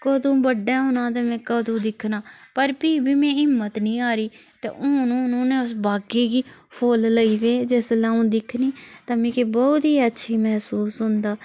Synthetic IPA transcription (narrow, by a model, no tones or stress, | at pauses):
koːd̪õːbəɖaːɦʊnãːt̪eːmɛ̃ːkoːd̪õːd̪ɪkʰːnaːpəɾpiːbʱiːmɛ̃ːɪmːət̪nĩːaːɾiːt̪ḛːʔʊnõnuːneːʊs̬baːkiːɡiːpʰoːlləiːʋeːd͡ʒɪslãːõːd̪ɪkʰniːt̪aːmẽːkiːbɔːt̪ɦiːətːʃʰiːmɛɦsuːsɦʊ̃nd̪aː